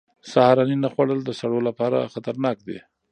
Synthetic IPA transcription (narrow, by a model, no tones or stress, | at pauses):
sahɾɑninaxwaɽəld̪əsaɽolapɑɾa̰xat̪aɾnɑk̚d̪ḛ